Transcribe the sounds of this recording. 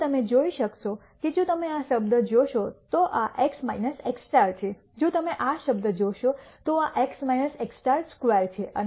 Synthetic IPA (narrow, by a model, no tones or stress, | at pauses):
t̪əmed͡ʒoiʃəkʃo | ked͡ʒõt̪əmeaʃəbd̪əd͡ʒoʃot̪oʔaʔeksma̰inəseksʈaɾt͡ʃʰe | d͡ʒõt̪əmeʔaʃəb̚d̪əd͡ʒoʃot̪oaʔeksmajnəseksʈaɾskʋaɾt͡ʃʰeʔə̰n